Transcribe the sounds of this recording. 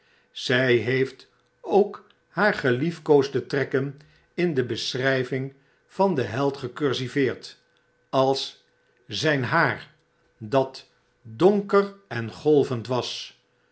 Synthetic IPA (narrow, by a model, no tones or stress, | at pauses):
z̥ɛjɦejft | owk | haːɹχəlifkowzdətrɛkən | ɪndəbəsrɛjvɪŋ | v̥ɑndəɦɛlˠtχəkøɹsivɪːɹt | ɑlˠs | zɛjnɦaːɹ | dɑt | doŋkərɛnχɔlˠvəntʋɑs